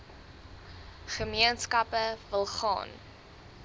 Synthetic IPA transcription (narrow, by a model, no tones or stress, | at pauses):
χəmiənskɐpəvəlˠχɑ̰ːn